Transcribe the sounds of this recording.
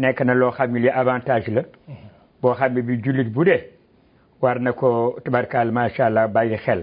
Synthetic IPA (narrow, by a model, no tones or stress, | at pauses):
nɛkːɐnɐlɔːxamːiliʔavãːntaːʒlɐ | bɔːxamːibiɟulitbudɛ | waɾnɐkɔtabaɾkaːlmaːʃaːlːabajixɛl